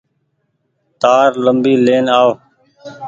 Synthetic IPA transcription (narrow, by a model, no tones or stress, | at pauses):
t̪aːɾləmbiːleːnaːʋo